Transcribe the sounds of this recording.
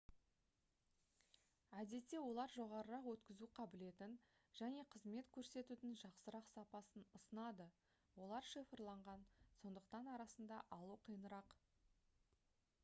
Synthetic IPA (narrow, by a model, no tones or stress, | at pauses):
æd̪e̞t̪ːe̞wo̞lˠɑɾʒo̞ʁɑɾəɾɑqwɵt̪kʲɪzuqʰɑbɪle̞t̪ɪn | ʒ̥æne̞qʰəzme̞t̪kʲʰɵɾse̞t̪ud̪ɪŋʒɑqsəɾɑqsɑpɑsənəsənɑd̪ə | wo̞lˠɑɾʃifəɾlˠɑɴʁɑnso̞nd̪əqt̪ɑnɑɾɑsənd̪ɑʔɑlˠuqʰəjənəɾɑq